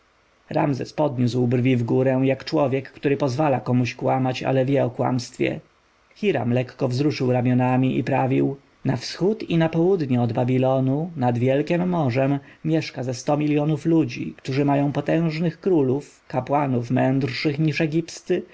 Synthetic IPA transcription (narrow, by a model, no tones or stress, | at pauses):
ɾa̰mzɛspɔd̪ɲuswbrvʲivɡuɾɛ̃jakt͡ʂwɔvʲjɛkːt̪uɾɘpɔzvalakɔmuɕkwamat͡ɕa̰lɛvʲjɛɔkwa̰mst̪fʲjɛ̰ | xʲiɾa̰mlɛkːɔvzɾuʂɘwɾamʲjɔnamʲiʔḭpɾavʲiw | nafsxut̪inapɔwud̪ɲɛɔd̪babʲilɔnunad̪vʲjɛlkʲɛmːɔʐɛmːʲjɛʂkazɛst̪ɔmʲiljɔnuflud͡ʑḭkt̪uʐɘmajɔ̃w̃pɔt̪ɛ̃w̃ʐnɘxkɾuluf | kapwanufmɛ̃nd̪rʂɘxɲiʂɛɡʲipst̪ɘ